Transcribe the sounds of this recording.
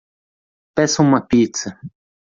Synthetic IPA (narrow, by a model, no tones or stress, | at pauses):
pɛsɐumɐpit̪sɐ